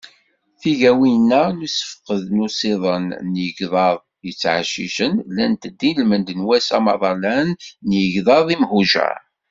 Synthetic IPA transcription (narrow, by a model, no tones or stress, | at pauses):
θiʝæwinːænusə̥fqəðnusiðˤənːjəɡðˤɑðˤ | jət͡sːʕa̰ʃḭʃənlænt̪əd̪ːilmənd̪ənwæsɑmɑðˤɑlænːjəʝðˤɑðˤimhuʒæ̰